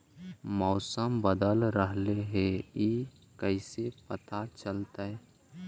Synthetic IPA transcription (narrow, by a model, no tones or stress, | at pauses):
mɔːsəmbəd̪əlɾəɦleɦei | kəɪsepət̪at͡ʃəlt̪aɛ